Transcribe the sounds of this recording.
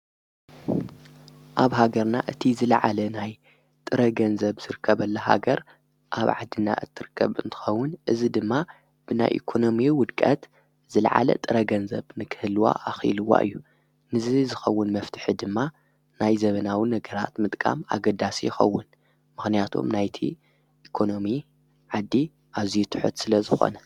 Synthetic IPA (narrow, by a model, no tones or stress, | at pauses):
ʔaβɦaɡɐɾnaʔɨt̪ʰizɨlɐʕalɐnaj | t̪ʼɨɾɐɡɐnzɐβzɨɾɨkʰːɐβɐlːɐɦa̰ɡɐɾ | ʔa̰βʕa̰d̪ːɨnːa̰ʔɨt̪ʰːɨɾɨkʰːɐβɨnt̪ʰɨ̥xɐwːʊnʔɨzid̪ɨmːa | b̥ɨna̰jʔḭkʰo̞no̞miwʊd̪kʼɐt̪ | z̥ɨlʕa̰lɐ̰t̪ʼɨɾɐɡɐnzɐβnɨkʰɨhɨlːwa̰ʔaxḭlɨwːa̰ʔɨ̰jːu | mɨzizɨxɐwːʊnmɐft̪ʰɨ̥ħid̪ɨmːa | najzɐβɐnawinɐɡɐɾa̰t̪mɨt̪ʼkʼa̰ma̰ɡɐd̪asijɪxɐ̰wːʊn | mɨxnijat̪ʰo̰mnajt̪ʰḭ | ʔikʰo̞no̞mi | ʕad̪ːi | ʔazijut̪ʰɨ̥ħṵt̪sɨlɐzɨxo̞̰nɐ